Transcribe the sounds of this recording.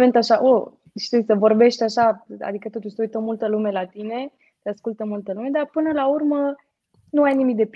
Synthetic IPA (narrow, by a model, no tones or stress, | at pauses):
me̞nt̪aʃaʔo | ʃi̥t̪usəvo̞rbe̞ʃt̪ʲaʃaa̰d̪ikət̪o̞t̪uʃʲsəujt̪əmult̪əlume̞lat̪ine̞ | t̪easkult̪əmult̪əlume̞d̪arpɨnəlaurmə | nuajnimik̚d̪e̞p